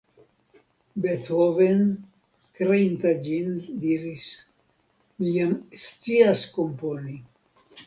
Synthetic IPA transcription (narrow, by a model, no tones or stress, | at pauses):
bethoven | kɾeint̪ad͡ʒind̪iɾis | mijamst͡siasko̞mponi